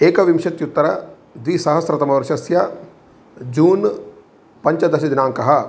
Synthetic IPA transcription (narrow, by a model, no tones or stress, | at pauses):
eːkɐʋimʃɐt̪jut̪ːɐɾɐ | d̪ʋiːsɐɦɐsɾɐt̪ɐmɐʋɐɾʃɐsjɐ | d͡ʒuːn | pɐɲt͡ʃɐd̪ɐʃɐd̪inaːŋkɐɦɐ